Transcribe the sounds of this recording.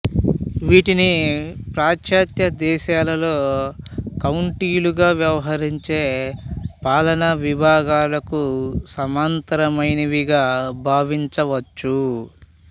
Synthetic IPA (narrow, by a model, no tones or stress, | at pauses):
ʋiːʈinipɾaːkʃaːt̪jɐd̪ɛːʃaːlɐlo̞ː | kɐwɳʈiːluɡaːʋjɐʋɐɦɐɾiɲt͡ʃe̞ːpaːlɐnɐʋibʱaːɡaːlɐkusɐmaːnt̪ɐɾɐmɐjnɐʋiɡaːbʱaːʋiɲt͡ʃɐʋɐt͡ʃːu